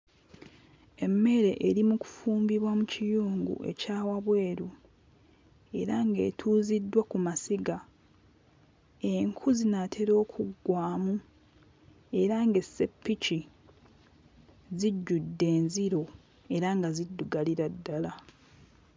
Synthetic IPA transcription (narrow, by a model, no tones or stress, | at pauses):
e̞mːe̞ɾe̞ʔeɾimuku̥fuːmbiβwamucijuːŋɡṵʔe̞̰caːwaβwe̞ːɾu | e̞ɾaŋɡe̞̰ːtʰuːzidːwakumasiɡa | e̞ŋkʰuzinatʰe̞ɾo̞ːkʰuɡːwaːmu | e̞ɾaŋɡe̞sːe̞pːici | ziɟːudːe̞ːnziɾo̞ | e̞ɾaŋɡazidːuɡaliɾadːala